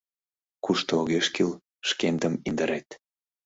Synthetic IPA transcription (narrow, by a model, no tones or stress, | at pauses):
kuʃt̪ooɣeʃkil | ʃkend̪ə̆mind̪əɾet̪